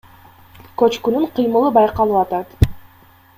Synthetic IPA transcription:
kɵt͡ʃkynyɴqʰɯjmɯlˠɯbɑjqɑlˠɯʋɑt̪ɑt̪

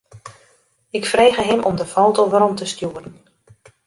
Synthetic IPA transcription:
ɪkfreːɣəɦɪmʔɔmdəfowtəʋəɾɔmtəstjuːərən

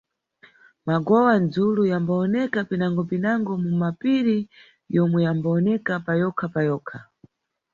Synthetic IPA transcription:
maɡɔwand͡zulujambaɔnɛkapinaŋɡɔpinaŋɡɔmumapiɾi | jɔmwɛjambaɔnɛkapajɔkʰapajɔːkʰa

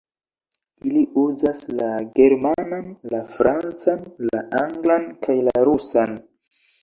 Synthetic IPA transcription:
iliuzaslaɡe̞ɾmananlafɾant͡sanla̰ʔaŋɡlankʰajlaɾusan

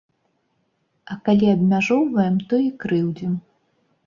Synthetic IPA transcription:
ɐkalʲiɐbmʲaʐɔwvɐjɛmt̪ɔikɾɨwd͡zʲɛm

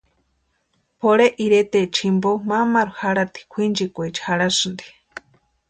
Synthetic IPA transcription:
poɽeʔiɾet̪et͡ʃʰimbomamaɾuhaɽat̪i̥kʷʰind͡ʒikʷet͡ʃhaɽasɨnd̪i̥

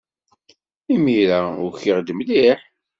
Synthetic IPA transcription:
imiɾaʊ̰ɾçiʁd̪əmliħ

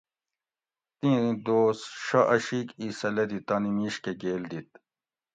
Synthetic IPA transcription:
t̪ĩd̪oːsʂɐʔɐɕiːkisɐlɐd̪it̪ɐnimiɕkeɡeːld̪it̪̚

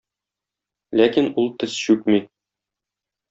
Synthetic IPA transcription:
lækinulˠt̪ɘz̥ɕʉkmi

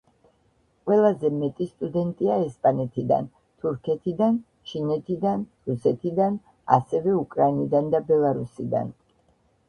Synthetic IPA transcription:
qʼwɛlˠazɛmɛt̪ʼist̪ʼud̪ɛnt̪ʼiaɛspʼanɛt̪ʰid̪a̰n | t̪ʰuɾkʰɛt̪ʰid̪an | t͡ʃʰinɛt̪ʰid̪anɾusɛt̪ʰid̪an | a̰sɛvɛukʼɾainid̪and̪abɛlˠaɾusid̪a̰n

